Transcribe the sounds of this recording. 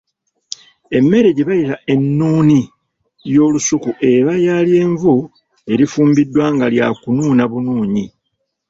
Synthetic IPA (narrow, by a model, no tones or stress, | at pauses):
e̞mːe̞ɾe̞ɟeβajitaʔe̞nːuːni | jo̞ːlusukuʔe̞βajaːlje̞ːɱvu | e̞ɾifuːmbidːwaːŋɡaljakunuːnaβunuːɲi